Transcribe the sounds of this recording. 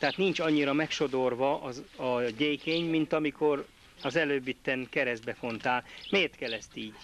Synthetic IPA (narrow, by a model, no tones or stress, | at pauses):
t̪ɛɦaːt̪nint͡ʃɒɲːiɾɒmɛkʃo̞d̪o̞rvɒʔɒɟejkeːɲmint̪ɒmiko̞r | ɒzɛløːbːit̪ːɛnkɛɾɛzd̪bɛfo̞nt̪aːlmeːrt̪kɛlːɛst̪iːɟ